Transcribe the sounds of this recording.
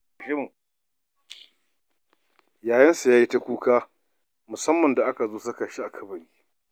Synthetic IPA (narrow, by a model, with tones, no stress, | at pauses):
ɪ˦m˨ | jaː˨jɐ˦nsu˨jaː˦ji˦ta˦kʷuː˦kaː˦ | mʊ˨sɐ˦mːɐ˨nda˨ʔa˦ka˨zoː˦sa˦kɐ˨ʃi˦ʔa˨kʰɐ˦bɐ˨ɾiː˦